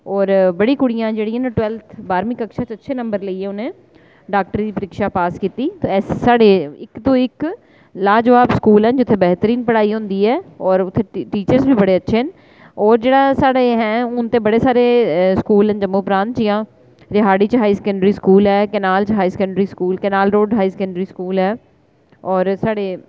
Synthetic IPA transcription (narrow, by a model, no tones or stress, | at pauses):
ɔːɾbəɽiːkʊɽɪjãːd͡ʒeːɽiɦɛnʈʊʋɛːlt̪ʰbaːɾmiːkəkʃaːt͡ʃətːʃʰeːnə̃mbəɾləiːɛːʊnẽː | ɖaːk̚ʈəɾd̪iːpəɾɪkʃaːpaːskiːt̪iːt̪oɛːsːaːɽeːɪkt̪õːɪk | laːd͡ʒəʋaːbskuːlɛ̃ːnd͡ʒɪt̪ʰːeːbɛːɦt̪əɾiːnpəɽaːiːɦʊ̃ːnd̪iːɛːɔːɾʊt̪ʰːeːʈiːt͡ʃəɾsbiːbəɽeːətːʃʰeːn | ɔːɾd͡ʒeːɽaːsaːɽeɦɛ̃ːʊnt̪ẽːbəɽeːsaːɾeːskuːlɦɛ̃nd͡ʒəmːõːpɾãːnt̪jãː | ɾɪɦaːɽiːt͡ʃɦaːiːsɛ̥kəɳɖɾiːskuːlɛːkɛːnaːlt͡ʃɦaːisɛkəɳɖɾiːskuːlkɛːnaːlɾoːɖɦaːiːsɛkəɳɖɾiːskuːlɦɛː | ɔːɾsaːɽeː